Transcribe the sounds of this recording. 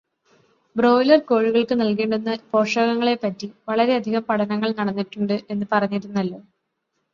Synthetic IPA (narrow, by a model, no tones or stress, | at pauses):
bro̞ːjlɐrko̞ːɻiɣɐɭkɨnɐlkeːɳɖunːɐpo̞ːʂɐɣɐŋːɐɭe̞pːɐtːiʋɐɭɐɾe̞ɐd̪ʱiɣɐmpɐɽʰɐnɐŋːɐɭnɐɽɐnːiʈːuɳɖɨʔe̞nːɨpɐrɐɲːiɾunːɐlːo̞ː